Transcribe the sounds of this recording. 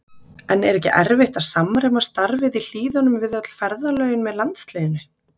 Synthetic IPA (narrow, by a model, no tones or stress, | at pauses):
ɛnːɛɾɛhcɪʔɛ̰ɾvɪht̪asamːɾɛmast̪aɾvɪðil̥iːðʏnʏmvɪðœt̪l̥fɛɾðalœːɥjʏnmɛðlant̪st̪lɪːðɪnʏ